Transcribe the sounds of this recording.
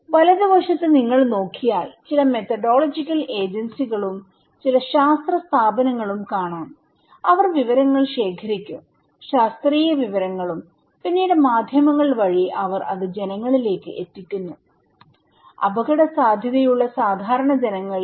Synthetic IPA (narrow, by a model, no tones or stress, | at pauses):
ʋɐlɐd̪iʋɐʂɐt̪ːɨniŋːɐɭno̞ːkʰːijaːlt͡ɕilɐme̞t̪ɐɖo̞ːɭɐd͡ʑikʲːɐle̞ːd͡ʑɐnsiɣɐɭum | t͡ɕilɐɕaːst̪rɐst̪ʰaːbɐnɐŋːɐɭumkaːɳaːn | ɐʋɐrʋiʋɐɾɐŋːɐɭɕe̞ːkʰɐɾikʲːum | ɕaːst̪riːjɐʋiʋɐɾɐŋːɐɭum | pinːeːɽemaːd̪ʱjɐmɐŋːɐɭʋɐɻiʔɐʋɐrɐ̰ðɨd͡ʑe̞nɐŋːɐɭile̞ːkːɨʔet̪ːikʲːunːu | ɐ̰bɐɣɐɽɐsaːd̪ʱjɐðɐjuɭːɐsaːd̪ʱaːɾɐɳɐd͡ʑe̞nɐŋːɐɭ